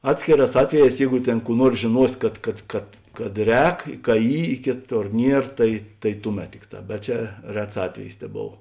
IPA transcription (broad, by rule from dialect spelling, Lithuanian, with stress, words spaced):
ˈɑːtʲsʲkʲeːˌrɑːs ˈɑːtʲʋʲɛˌjɛːs ˈjɛɪɡʊ ˈtʲeːn ˈkuː ˈnuɔrs ʒʲeːˈnuɔs ˈkɐt kɐt kɐt kɐt ˈrʲɛːk kɐ ˈiː ɪ ˈkʲeːˌtoːr ˈnʲiɛr ˈtɐɪ tɐɪ ˈtʊˌmʲɛt ˈtʲɪkˌtɑː bʲɛt ˈt͡ʃʲɛ ˈrʲɛts ˈɑːtʲʋʲɛjɪs tʲɛˈboːw